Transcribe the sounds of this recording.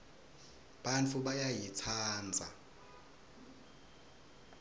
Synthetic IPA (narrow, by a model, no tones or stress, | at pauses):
ɓ̥ant͡fʰuɓajajit͡sʰaːnd͡zʱa